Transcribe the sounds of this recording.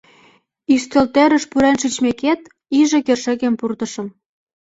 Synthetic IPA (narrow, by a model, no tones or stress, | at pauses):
yst̪ĕlt̪eɾə̆ʃpuɾenʃyt͡ɕmeket̪ | iʒĕkerʃĕɣempurt̪ɤ̆ʃə̆m